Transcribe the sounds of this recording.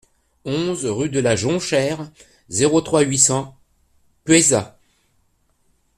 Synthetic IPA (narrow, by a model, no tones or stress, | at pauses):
ɔ̃zʁyd̪əlaʒɔ̃ʃɛʁ | zeʁot̪χwaɥisɑ̃ | pɥɛza